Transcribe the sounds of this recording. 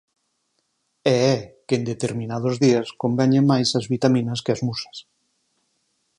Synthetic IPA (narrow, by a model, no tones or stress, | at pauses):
ɛɛkend̪et̪eɾmĩnað̞ozðiaskombɛɲeŋmːajsazβit̪amĩnɐskeazmusḁs